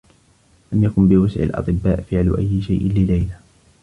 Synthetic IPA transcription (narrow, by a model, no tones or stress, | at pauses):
lamjakʊmbɪwasʕɪ̰lʔɑ̰t̪ˤɨbːaːʔfɪʕlʊʔa̰jːɪʃajʔɪnlɪlajla